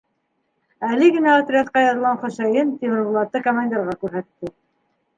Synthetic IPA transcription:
ælɘɡɘ̆næɑt̪ɾʲiat̪qɑjɑðɤlˠʁɑnχŏʃæjɘnt̪ʲemɾlˠɑt̪ːɤkomanʲd̪ʲerʁɑkʉɾɦæt̪ːɘ

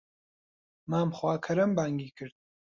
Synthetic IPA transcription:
maːmxwaːkʰɐɾɐmbaːŋɡiːkʰɨɾd̪̚

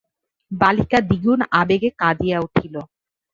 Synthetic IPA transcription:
balikad̪iɡunabeɡekad̪ijauʈʰilo

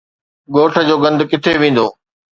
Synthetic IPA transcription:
ɡoːʈʰə̆d͡ʑoːɡɐ̃nd̪ʊkɪt̪ʰeʋẽːn̆d̪oː

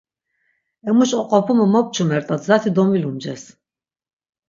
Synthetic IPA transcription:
ɛmuʃʼɔqʼɔpʰumɔmɔp̚t͡ʃʰumɛɾt̪ʼat̪ʰzat̪ʰid̪ɔmilumd͡ʒɛs

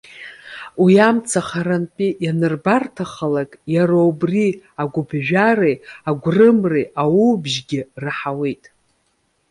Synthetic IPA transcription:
wijamt͡sʰaχaɾanpʼijanɨrbartʰaχalakʼjaɾaubriaɡʷʊbʒᶣarejaɡʷrɨmreʔawubʒɡʲɪraħawejtʼ

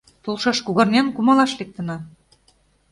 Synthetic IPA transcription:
t̪ulˠʃɑʃkuɣɑ̆rnʲɑnkumɑlɑʃlek̚t̪ə̆nɑ

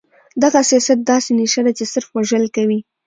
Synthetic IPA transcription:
d̪aɣasijɑsat̪̚d̪ɑseneʃad̪at͡ʃesɪɾfwaʒəlkawi

